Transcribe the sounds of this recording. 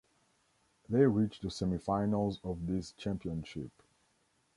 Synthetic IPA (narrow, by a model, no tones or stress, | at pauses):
ðeɪɹit͡ʃðəsɛmifãɪnəlˠzɔvðist͡ʃæ̃mpiə̃nʃɪp